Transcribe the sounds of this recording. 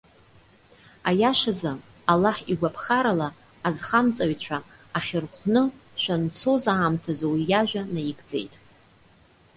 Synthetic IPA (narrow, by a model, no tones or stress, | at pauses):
ajaʂaza | alaħiɡʷapʰχaɾalaː | zχamt͡sʼaɥt͡ɕʷᶣʰa | aχʲɪrχʷnɨʃʷᶣant͡sʰo̞zaːmtʰazowijaʒʷᶣanajiɡd͡ze̞̰jtʼ